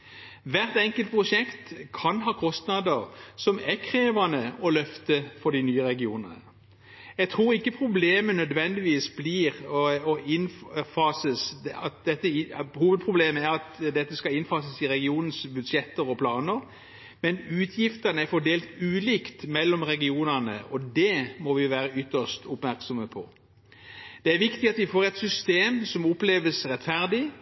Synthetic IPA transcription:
ʋæʁt̪ɛŋkəlt̪̚pʰʁʊʂɛkt̪kʰɑnɦɑːkʰɔst̪nɑd̪əʁsɔmækʰɾeːʋɑnəɔlœft̪əfɔd̪ɪnyːəʁɛɡɪuːnə̰nə | jɛɡt̪ʰʁuːʁɪkːəpʰʁʊbleːmənœd̪ʋɛnd̪ɪʋiːsbliːʁɔɪnfɑːsəsɑt̪̚d̪ɛt̪ːəɪhuːʋəd̪̚pʰʁʊbleːməæɾɑt̪d̪ɛt̪ːəskɑɪnfɑːsəsɪɾɛɡɪuːnn̩sbʉd̪ʂjɛt̪ːəɾɔpʰlɑːnəɾ | mɛnʉːt̪ʰjɪft̪ənəæɾfɔd̪eːlt̪ʉːliːkt̪mɛlːɔmʁɛɡɪuːnənə̰ʔɔd̪ɛmɔʋɪʋæːɾəʏt̪ːəʂt̪ʊpmæɾksɔməpʰɔ | d̪̥ɛæɾʋɪkt̪ɪɑt̪ʋɪfoːɾɛɪt̪sʏst̪eːmsɔmɔpːleːʋəsʁɛt̪ːfæɾd̪ɪ

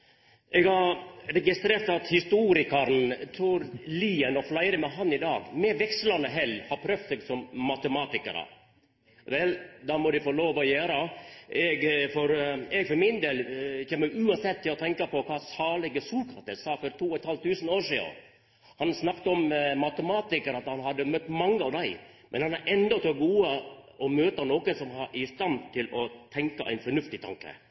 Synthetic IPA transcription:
ʔɛɡhɑɾɛɡɪst̪ɾeːɾt̪ɑt̪hɪst̪uːɾɪkɑɾnt̪ʰuːɾliːənɔflɑɪɾəmɛɦɑnːɪd̪ɑːɡmɛʋɛksəlɑnːəɦɛlhɑɾpʰɾœfseɡsɔmːɑt̪əmɑːt̪ɪkə̰ɾə̰ | ʋɛld̪ɑmɔd̪ɛfoːloːʋɔjøːɾəɛɡfɔɾɛɡfɔɾmɪnd̪eːlçɛːmːəʔʉːɑnsɛt̪ːɪlɔt̪ʰɛŋkɑpɔkʰɑːsɑːɭɛɡəsuːlkʰɾɑt̪əsɑːfɔɾt̪ʰuːɔɛt̪hɑlt̪ʰʉːsənoːɾʂiːə̰ | hɑnsnɑkt̪əɔmmɑt̪əmɑːt̪ɪkəɾɑt̪hɑnɦɑd̪ːəmœt̪ːmɑŋːəɑʋd̪æɪ | mʔɛnhɑnæɾʔɛnd̪ɔt̪oɡuːəɔmøːt̪ənoːkənsɔmhɑɾɪst̪ɑnt̪ʰɪlɔt̪ʰɛŋkɑʔæ̰ɪnfɔɳʉft̪ɪt̪ʰɑ̰ŋkə̰

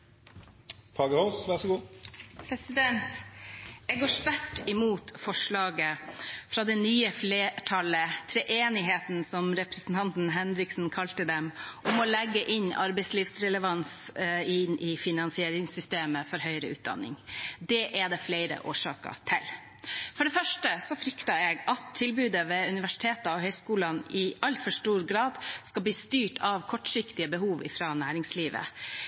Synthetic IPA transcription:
fɑːɡəhoːsʋæʁʂɔɡuːpʰɾɛsɪd̪ɛnt̪ | ɛɡoːʂt̪æʈːɪmuːt̪fɔʂɭɑːɡəfɾɑd̪ɛnyːəfleːʈʰɑlət̪ʰɾɛʔeːnɪɦeːt̪n̩sɔmɾɛpɾəsn̩t̪ʰɑnt̪n̩ɦɛnɾɪksn̩kʰɑlt̪əd̪ɛmʔɔmɔlɛɡːəʔɪnɑ̰ɾbɛɪsliːʋsɾɛləʋɑnsɪnʔɪfɪnɑnsɪeːɾɪŋsʏst̪eːməfɔɾɦœʏɾəʉ̰ːt̪̚d̪ɑ̰nːɪ̰ŋd̪ɛʔɛd̪ɛflæɪɾə̰ʔoːʂɑːkə̰ʈʰɪl | fɔɖɛfœʂʈəsɔfɾʏkt̪ɑɛɡɑt̪ʰːɪlbʉːd̪əʋɛʉnɪʋæʂɪ̥t̪ʰeːt̪əɔhœʏskuːlɑnɪʔɑlfɔʂʈuːɾɡɾɑːd̪skɑb̪iːst̪yːʈʰɑʋkʰɔʈʂɪkt̪ɪəbəɦuːʋɪ̰fɾɑnæːɾɪŋsliːʋə̰

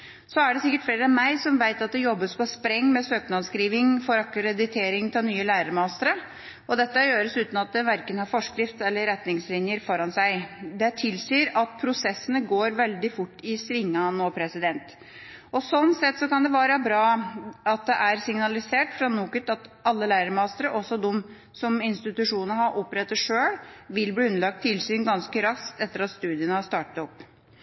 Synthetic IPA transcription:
sɔæɖɛsɪkːəʈfleːɾəɑmæɪsɔmʋæɪt̪ɑt̪̚d̪ɛjɔbːəspʰɔspɾɛŋːmɛsøːknɑskɾiːʋɪŋfɔɾɑkɾɛd̪ɪt̪ʰeːɾɪŋt̪ʰɪlnyːəlæːɾəɾmɑst̪əɾə | ɔd̪ɛt̪ːəjøːɾəsʉːt̪n̩ɑt̪̚d̪ɛʋæɾkənhɑɾfɔʂkɾɪft̪ɛlːəɾɛt̪nɪŋslɪnjəɾfɔɾɑnsæɪd̪ɛt̪ʰɪlsyːɾɑt̪̚pʰɾʊsɛsːənəɡoːɾʋɛld̪ɪfʊʈːɪsɾɪŋːɑnoːpʰɾɛsɪd̪ɛnt̪ | ɔsɔnsɛt̪ːsɔkɑnd̪ɛʋɑːɾəbɾɑːɑt̪̚d̪ɛʔæɾsɪŋnɑlɪseːʈfɾɑnuːkət̪ɑt̪ɑlːəlæɪɾəɾmɑːst̪əɾəʔɔsːɔd̪ɔm | sɔmɪnst̪ɪt̪ʉʂuːnəəhɑɾʔɔpːɾɛt̪ːəʂøːɽʋɪlbliːʉnəlɑk̚t̪ʰːɪlsyːnɡɑnskəɾɑskt̪ɛt̪ːəɾɑt̪st̪ʉːd̪ɪənəhɑst̪ɑːʈət̪ɔpː

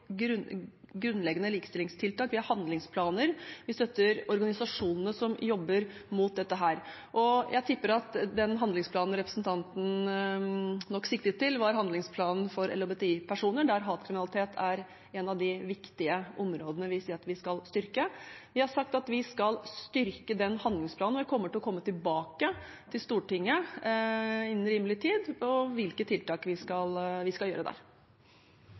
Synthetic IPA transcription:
ɾʉnɡɾʉnːlɛɡənəliːkə̥st̪ɪlɪŋst̪ʰɪlt̪ɑːkʋɪhɑɾhɑnd̪lɪŋspʰlɑːnəɾʋɪst̪œt̪ːəɾɔɾɡɑnɪsɑʂuːnnəsɔmjɔbːəɾmuːt̪̚d̪ɛt̪ːəɦæːɾ | ʔɔjʔæɪt̪ʰʏpːəɾɑt̪d̪ɛnɦɑnd̪lɪŋspʰlɑːnnɾɛpɾəsn̩t̪ʰɑnt̪n̩ | nɔkːsɪkt̪ət̪ʰːɪlʋɑɾɦɑnd̪lɪŋspʰlɑːnn̩fɔɾɛ̰lɔbet̪ɛiːpʰæʂuːnəɖæɾɦɑːt̪kʰɾɪmɪnɑlɪt̪ʰeːt̪ʰæɾ | ɛnɑʋd̪ɪʋɪkt̪ɪəʔɔmɾoːd̪ənəʋɪsiːɾɑt̪ʋɪskɑlst̪ʏɾkəʋɪhɑʂɑkt̪ɑt̪ʋɪskɑlst̪ʏɾkəd̪ɛnhɑnd̪lɪŋspʰlɑːn̩ɔʋɛɪkʰɔmːəʈɪlɔkʰɔmːət̪ɪlbɑːkə | t̪ʰɪlst̪uːʈɪŋːə | ɪnn̩ɾiːməlɪt̪ʰiːd̪ɔʋɪlkət̪ʰɪlt̪ɑːkʋɪskɑlʋɪskɑljøːɾəd̪æ̰ːɾ

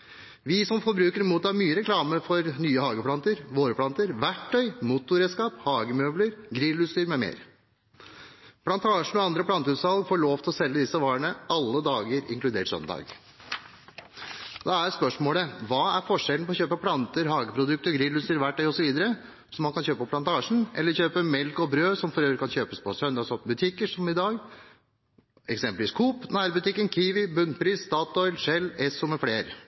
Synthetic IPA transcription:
ʋɪsɔmfɔɾbɾʉːkəɾmuːt̪ɑːmyːəɾɛkʰlɑːməfɔɾnyːəhɑːɡəpʰlɑnt̪əɾʋoːɾəpʰlɑnt̪əɾʋæʈʰːœʏmʊt̪ʊɾɛːskɑːphɑːɡəmœːbləɾɡɾɪlʉːst̪yːɾmɛmḛːɾ | pʰlɑnt̪ʰɑːʂɳ̩ɔɑnd̪ɾəpʰlɑnt̪əʉːshɑlɡfoːɭoːʋt̪ʰlɔsɛlːəd̪ɪsːəʋɑːɳəʔɑlːəd̪ɑːɡəɾɪ̰ŋklʉd̪eːɾsœ̰nd̪ɑ̰ːɡ | d̪ɑæɾspœʂmoːləʋɑːæɾfɔʂɛlnpɔçøːpəpʰlɑnt̪əɾhɑːɡəpʰɾʊd̪ʉk̚t̪əɾɡɾɪlːʉsəɾʋæʈ̚ːɖœɔsɔʋiːd̪əɾə | sɔmːɑnkʰɑnçøːpəpɔpʰlɑnt̪ʰɑːʂɳn̩ʔɛ̰lːəɾçøːpəmɛlkɔbɾøːsɔmfɔɾøːʋəɾkʰɑnçøːpəspʰɔsœnd̪ɑsɔbʉt̪ʰɪkːəʂɔmɪd̪ɑːɡ | ɛksɛmpəlʋiːskʰuːpnæːɾbʉt̪ɪkːənkʰiːʋɪbʉnːpʰɾiːsːt̪ɑːt̪ɔʏlʂɛlːɛsːɔmɛfleːɾ

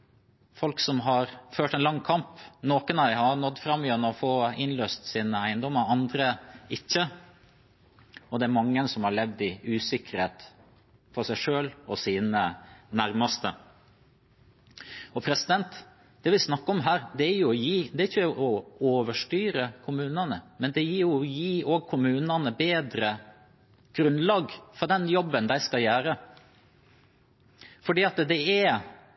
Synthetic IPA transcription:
fɔlksɔmɦɑɾføːʈɛnlɑŋːkʰɑmpnoːkənæɪhɑɾnɔd̪ːfɾɑmːʏjɛnːəɔfoːɪnløːst̪siːnəæɪnd̪ɔmːəɾɑnd̪ɾəɪçːə | ɔd̪ɛæɾmɑŋːəɛnsɔmhɑɭɛʋd̪ɪʉːsɪkːəɾheːt̪ | fɔɾsæɪʂøːlɔsiːnənæɾmɑst̪ə | ɔpʰɾɛsɪd̪ɛnt̪ | d̪̥ɛʋɪsnɑkːɔmɦæːɾd̪ɛæɾjʊɔjiːd̪ɛɾɪçːəɔoːʋəʂʈyːɾəkʰʊmʉːnɑnəmɛnd̪ɛjiːɾjʊɔjiːʔoːɡ̚kʰʊmʉːnɑnəbeːd̪ɾə | ɡ̥ɾʉnlɑːɡfɔɾd̪ɛnjɔbːənd̪æɪskɑljæːɾə | fɔɖiːɑt̪d̪ɛæ

